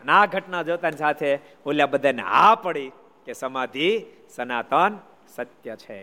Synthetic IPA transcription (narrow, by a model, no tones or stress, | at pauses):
ənaɡʱəʈnad͡ʒot̪anisat̪ʰe | uljabəd̪ʱen̰apəɽi | kesəmad̪ʱi | sənat̪ən | sət̪jət͡ʃʰḛ